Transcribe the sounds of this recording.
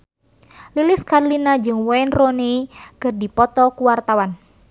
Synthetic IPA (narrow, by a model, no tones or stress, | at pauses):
lilɪskarlinad͡ʒɨŋwɔɛnrɔneikɨrdipɔt̪ɔkuwart̪awan